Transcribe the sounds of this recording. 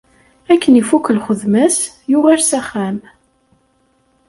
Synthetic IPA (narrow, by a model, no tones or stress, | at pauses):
ækːənifukːəlχəðmæs | jʊʁaɾsæχːæm